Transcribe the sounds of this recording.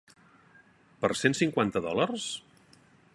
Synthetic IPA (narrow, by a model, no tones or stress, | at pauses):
pəɾsensiŋkwant̪əðɔlərs